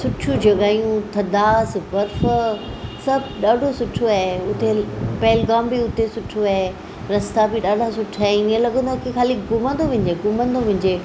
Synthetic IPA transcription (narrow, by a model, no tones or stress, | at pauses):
sʊʈʰũd͡ʑɐɡaːijũt̪ʰɐd̪aːsbɐɾf | sɐbʱɗaːɖʱosʊʈʰoaeʊt̪epɐɦɪlɡaːmbiʊt̪esʊʈʰoaɦe | ɾɐst̪abiɗaːɖʱasʊʈʰaːenɪ̃ẽlɐɡə̃nd̪okixaːlikɡʊmə̃nd̪oʋɪ̃ɲd͡ʑeːɡʊmə̃nd̪oʋɐ̃ɲd͡ʑeː